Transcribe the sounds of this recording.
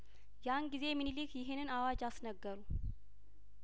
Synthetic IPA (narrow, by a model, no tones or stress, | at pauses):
janɡize̞mɨnilikjɪɦenɨnawad͡ʒasnəɡːəɾu